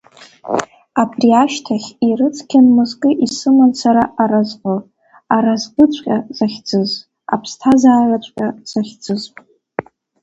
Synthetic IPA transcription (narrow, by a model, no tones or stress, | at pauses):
apʰʼriaʃtʰaχʲirɨt͡sʰʼkʲʰanmɨzkʼɨʔisɨmansʰaɾaʔaɾazqʷo | aɾazqʼɨt͡ɕʷʼqʲʼazaχʲd͡zɨz | a̰pʰstʰazaːrat͡ɕʷʼqʲʼaz̥aχʲd͡zɨzʼ